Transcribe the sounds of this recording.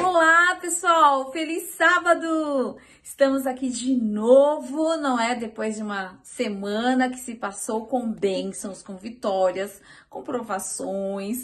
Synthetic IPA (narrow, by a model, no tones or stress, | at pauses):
olapesuawfelisːabɐd̪ʊ | ɪst̪ɐ̃mʊzakid͡ʒɪnovʊnɐ̃w̃ɛd̪epojzd͡ʒɪũmɐsemɐ̃nɐkɪ̥sɪpasowkõw̃bẽsɐ̃w̃skõw̃vit̪ɔɾiɐs | kõpɾovasõj̃s